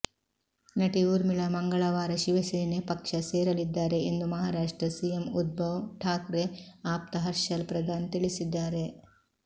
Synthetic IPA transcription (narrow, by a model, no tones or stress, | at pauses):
nɐʈiuɾmiɭɐmɐŋɡɐɭɐʋaːɾɐʃiʋɐsiːnepɐkʂɐseːɾɐlid̪ːaːɾe̞end̪umɐɦaːɾaːʂʈɾɐsijemud̪̚bɐʋʈʰaːkɾeaːp̚t̪ɐɦɐɾʃɐlpɾɐd̪ʱaːnt̪iɭisid̪ːaːɾe̞